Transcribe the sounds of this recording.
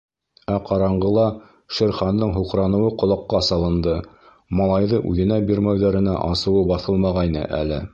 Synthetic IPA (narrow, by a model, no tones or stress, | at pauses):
æqɑɾɑɴɢɤ̆lˠɑ | ʃɘ̆ɾχɑnd̪ɤɴɦuqɾɑnɤ̆wɤqŏlˠɑqːɑsɑlˠɤ̆nd̪ɤ | mɑlˠɑjðɤʔʉðɘ̆næbiɾmæwðæɾɘ̆næ̰ʔɑsɤ̆wɤbɑθɤlˠmɑʁɑjnɤ̰ʔæ̰lɘ̰